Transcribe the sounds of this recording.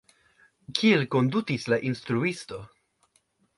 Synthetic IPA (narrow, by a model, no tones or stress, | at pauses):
kʰielko̞nd̪ukislaʔinst̪ɾuist̪o̞